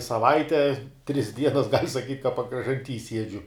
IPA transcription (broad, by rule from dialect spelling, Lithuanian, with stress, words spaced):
sɐˈʋɐɪtʲɛ tʲrʲɪs ˈdʲiɛnɐs ɡɐlʲ sɐˈkʲiːtʲ kɐ pɐkrɐʒɐnʲˈtʲiː ˈsʲiɛd͡ʒʲʊ